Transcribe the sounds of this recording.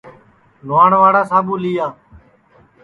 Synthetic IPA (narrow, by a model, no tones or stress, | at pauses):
lʋaːɳʋaːɽaːsaːɓuːliːjaː